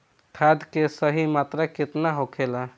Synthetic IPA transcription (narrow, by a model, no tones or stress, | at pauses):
ʈ̪ʰad̪kesəɦimat̪ɾaket̪naɦokʰela